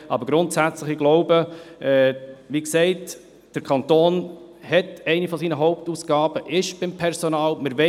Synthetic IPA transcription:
ʔɑ̰bəɾɡɾʊntsæt͡sləχɪɡlɔʊbəʔɛːʋiːksɛɪt | d̥əɾkʰɑnt̪oːn | hɛtɛɪnifɔsiːnəɦɔʊp̚tuːsɡ̥ɑːb̥əʔɪʃb̥ɪmpʰɛɾsɔnɑːlmɪɾʋɛ

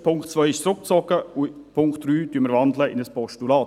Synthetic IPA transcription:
pʰʊŋkt̪t͡svœʏɪʃsɾʊkt̪t͡sɔkəʊpʰʊŋkt̪ɾyːd̥̪yːməɾvɑnd̪ləɪnəspʰɔʃtulɑː

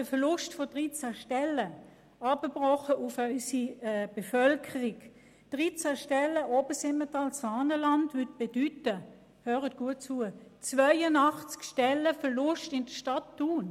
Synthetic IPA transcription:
əfəlʊʃtfɔd̥ʁiːt͡saʃtɛlə | ɑbəb̥ʁɔχəʔʊfœʏsib̥efœlkʰəʁɪk | d̥ʁit͡saːʃtɛləʔoːbəsɪmətɑlsfaːnəlɑntvʏt̚b̥edytə | høːʁət̚ɡ̥uət̚t͡suət͡svœɪənɑχt͡skʃtɛlːəfəlʊʃtɪnd̥əʃtɑtːuːn

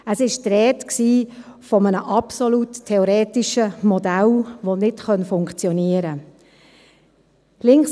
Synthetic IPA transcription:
əsɪʃtɾɛːtksiː | fɔmənəʔɑpsɔlutʰːɛɔɾɛːtiʃəmɔdælʋonɪtχœnfʊŋkt͡sjɔniəɾə | lɪŋks

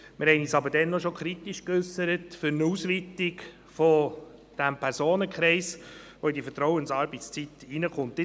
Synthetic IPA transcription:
mɪɾhɛɪniːsɑbəɾdɛnːɔʃokʰχɾitiʃkʏsːəɾətfʏɾnuːsʋɪtɪk | fo | d̥æmpʰɛɾsoːnəkχɾɛɪsʋoidifəɾtɾɔʊwənsɑːɾbɪt͡st͡sitinəχʊntɪ

